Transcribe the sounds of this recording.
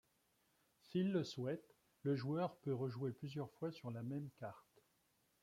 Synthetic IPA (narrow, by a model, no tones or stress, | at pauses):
silːəswɛt̪ | ləʒuœʁpøʁəʒweplyzjœʁfwasyʁlamɛmkaʁt̪